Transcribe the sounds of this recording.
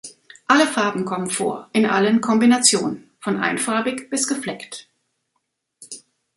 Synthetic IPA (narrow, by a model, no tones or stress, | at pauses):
ʔaləfaɐbm̩kʰɔmənfo̰ːɐʔɪnʔa̰lənkʰɔmbinat͡sjoːnənfɔnʔa̰ɪnfaɐbɪkb̥ɪsɡ̥əflɛkt